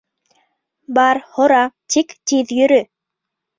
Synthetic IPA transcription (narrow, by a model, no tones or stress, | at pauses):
bɑɾhoɾɑt̪ikt̪iðjyɾy